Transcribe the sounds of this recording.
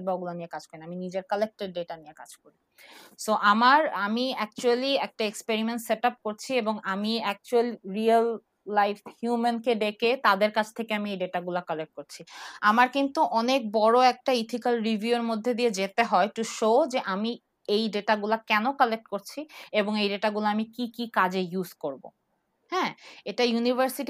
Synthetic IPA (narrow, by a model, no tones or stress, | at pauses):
baɡulanijekad͡ʑkoɾinaaminid͡ʑeɾkalek̚ʈeɖɖeʈanijeka̰d͡ʑkoɾi | soʔamaɾamiɛk̚t͡ɕualiɛk̚ʈaekspeɾimenʈseʈap̚koɾt͡ɕʰieboŋamiɛk̚t͡ɕualiɾialː | ajfhjumenkeɖeket̪ad̪eɾkat͡ɕʰt̪ʰekeamiejɖeʈaɡulakalek̚ʈ̚koɾt͡ɕʰiamaɾkint̪uʔɔnek̚bɔɽoɛk̚ʈait̪ʰikalɾivʱjueɾmod̪ʱːed̪ied͡ʑet̪eɦɔeʈuʃod͡ʑeʔami | ejɖeʈaɡulakɛnokɔlek̚ʈkoɾt͡ɕʰieboŋejɖeʈaɡulaamikikikad͡ʑejuzkoɾbo̰ | hɛ̃eʈajunivʱəɾsiʈi